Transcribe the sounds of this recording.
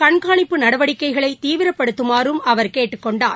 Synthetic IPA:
kɐɳkaːɳɪpːɯnɐɽɐʋɐɽɪkːɐɪɣɐɭɐɪt̪ːiːʋɪɾɐpːɐɽɯt̪ːɯmaːɾɯmɐʋɐɾkeːʈːɯkːɔɳɖaːɾ

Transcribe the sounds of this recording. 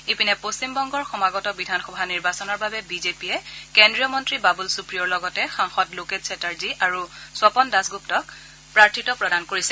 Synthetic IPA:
epinɛpostimbɔŋɡɔɹxɔmaɡɔtɔbidʱanxɔbʱaniɹbasɔnɔɹbabɛbizepijɛkendɹijɔmɔntɹibabulsupɹijɔɹlɔɡɔtɛxaŋxɔtloketsɛtaɹziʔaɹuswɔpɔndasɡup̚tɔk̚ | pɹaɹtʰitɔpɹɔdankoɹisɛ

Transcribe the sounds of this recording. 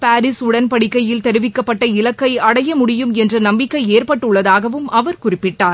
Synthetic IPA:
paːɾɪsʊɽɐnpɐɽɪkːɐjɪlt̪ɛɾɯʋɪkːɐpːɐʈːɐɪlɐkːɐɪɐɽɐjɐmʊɽɪjɯmɛndrɐnɐmbɪkːɐɪeːɾpɐʈːɯɭːɐðaːɣɐʋɯmɐʋɐɾkʊrɪpːɪʈːaːɾ

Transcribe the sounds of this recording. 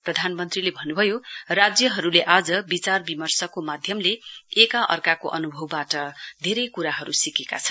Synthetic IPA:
prʌd̪ʱanmʌnt̪rilebʱʌnːubʱʌjorad͡zjʌɦʌɾuleʔad͡zʌbit͡sarbimʌrsʌkomad̪ʱjʌmleekaʔʌ̰rkakoʔʌnubʱʌwːaʈʌd̪ʱeɾʌjkuɾaɦʌɾusikeka̰t͡sʰʌn

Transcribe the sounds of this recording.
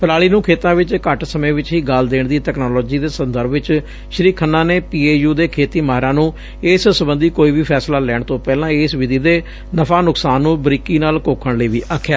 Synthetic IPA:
pəɾaːɭiːnũːkʰeːt̪ãːʋɪt͡ʃkəʈsəmẽːʋɪt͡ʃɦiːɡald̪eːɳd̪iːʈɛːknɔːlɔːd͡ʒiːd̪eːsə̃nd̪əɾbʋɪt͡ʃ | ʃəɾiːkʰːənːãːneːpiːeːjuːd̪eːkʰeːt̪iːmaːɦɾãːnũː | ɪssəbə̃nd̪iːkoːiːbiːpʰɛːslaːlɛːɳt̪õːpɛːlãːɪːsʋɪd̪iːd̪eː | nəpʰaːnʊksaːnːũːbɾikiːnaːlkoːkʰəɳləiːʋiːʔaːkʰːjaː

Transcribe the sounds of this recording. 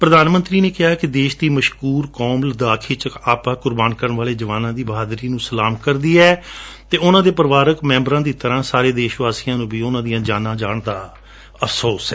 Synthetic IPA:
pɾəd̪aːnmə̃nt̪ɾiːneːkɪɦaːkɪd̪eːʃd̪iːməʃkuːɾkɔːmləd̪aːkʰiːt͡ʃəaːpãːkʊɾbaːnkəɾəɳʋaːleːd͡ʒəʋaːnãːd̪iːbəɦaːd̪ɾiːnũːsəlaːmkəɾd̪iːɛːt̪eːʊnãːd̪eːpəɾʋaːɾəkmɛ̃ːmbəɾãːd̪iːt̪əɾãːsaːɾeːd̪eːʃʋaːsɪjãːnũːbiːʊnãːd̪ijãːd͡ʒaːnãːd͡ʒaːɳd̪aː | əfʰsoːsɛː

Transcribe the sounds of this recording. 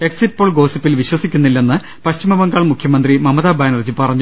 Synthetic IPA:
e̞ksit̚ːpoːɭɡo̞ːsipːilʋiɕwɐsikʲːunːilːe̞nːɨ | pɐɕt͡ɕimɐbɐŋɡaːɭmukʰjɐmɐnd̪rimɐmɐðaːbaːnɐrd͡ʑɨpɐrɐɲːu

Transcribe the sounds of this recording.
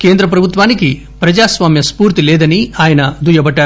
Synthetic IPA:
keːnd̪ɾɐp̬ɾɐbʱut̪ʋaːniki | pɾɐd͡ʒaːsʋaːmjɐspuːɾt̪ileːd̪ɐniaːjɐnɐd̪ʱujɐbɐʈːɐ

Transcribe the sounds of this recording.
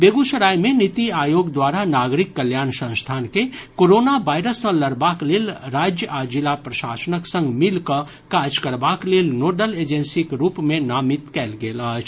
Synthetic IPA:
beːɡuʃəɾaːjmẽnɪt̪iaːjoːɡd̪waːɾanaːɡɾɪkːəljaːnsə̃nst̪ʰaːnkekoːɾoːnabaːɪɾəssə̃ləɾbakleːlɾaːd͡ʒjəʔad͡ʒɪlapɾɐʃaːsənəksə̃ŋɡmɪlkə | kaːɾd͡ʒkəɾbaːkleːlnoːɖəleːd͡ʒẽnsikeɾuːpmẽnaːmɪt̪kɛːlɡeːləɦt͡ʃʰ

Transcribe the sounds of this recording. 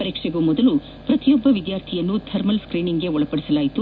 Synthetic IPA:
ɐɾiːkʂeɡuːmɔd̪ɐlu | pɾɐt̪ijɔbːɐʋid̪jaːɾt̪ʰijɐnːut̪ʰɐɾmɐlskɾiːniŋɡe̞ɔɭɐpɐɽisɐlaːjit̪u

